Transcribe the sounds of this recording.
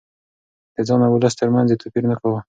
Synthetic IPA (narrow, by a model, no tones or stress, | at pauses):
d̪̥əd͡zɑnawʊləst̪əɾmanzet̪ʰopiɾnakawə